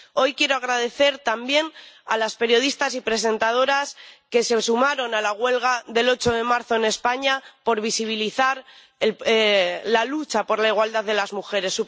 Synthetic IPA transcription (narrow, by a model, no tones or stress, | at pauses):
o̞jkje̞ɾoaɣɾaðe̞θe̞ɾt̪ambje̞nalaspe̞ɾjo̞ð̞ist̪asipɾe̞s̬e̞nt̪að̞o̞ɾaske̞se̞sumaɾo̞nalaɣwe̞lɣ̞aðe̞lo̞t͡ʃo̞ð̞e̞maɾθo̞ene̞spaɲapo̞ɾβisiβ̞iliθaɾ | e | lalut͡ʃapo̞ɾlaiɣwald̪aððe̞lazmuxe̞ɾe̞sːu